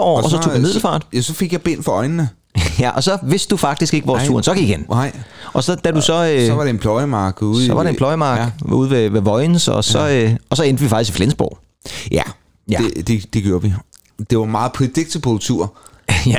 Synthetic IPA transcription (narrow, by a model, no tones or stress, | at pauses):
ɒ̰ɒs̬ɒt͡sʰo̰ɡ̥dumið̰ˠl̩fɑ̰̈ːd̥jæsɒ̽fe̝ɡ̥jɑb̥en̰fɒɒ̽ɪnnə | jæʔɒ̽sɒ̽ʋe̝sd̥ufɑ̈ɡ̥̚d̥isɡ̥e̝ɡ̥əʋɒːst͡sṵɐnsɒ̽ɡ̥iɡ̥enʔɒ̽sɒ̽d̥ædusɒ̽øɒʋɑ̈ɾenpʰlɔɪəmɑ̈ːɡ̥uðˠsɒ̽ʋɑ̈ɾeelɒɪəmɑ̥̈ːṵːð̞̰ˠʋeʋeʋɒ̽ɪnsɒsɒ̽øɒsɒ̽end̥əʋifɑ̈ɡ̥isɡ̥iflensb̥ɒ̰ʊ | jæ | jæd̥ed̥e̝ɡ̥joːɐʋi | d̥e̝ʋɑ̈mɑ̈ːð̩ˠpʰd̥eɡ̥̚t͡sʰepʰolˠt͡sʰuɐ̰